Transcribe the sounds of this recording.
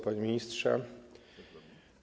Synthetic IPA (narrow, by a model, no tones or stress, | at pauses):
paɲimʲiɲistʂɛ̰